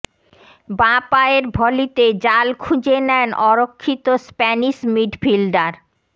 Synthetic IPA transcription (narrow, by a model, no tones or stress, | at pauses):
bãpaeɾbʱɔlit̪ed͡ʑalkʰud͡ʑenɛnɔɾokʰːit̪ospɛniʃmiɖfilɖaɾ